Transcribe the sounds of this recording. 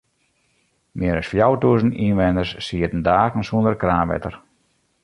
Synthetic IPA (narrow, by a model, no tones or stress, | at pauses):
mʔɪəɾɔsfjawtuəzninʋɛnərsːiətn̩daːɣən̩suəndərkraːnʋɛ̰tər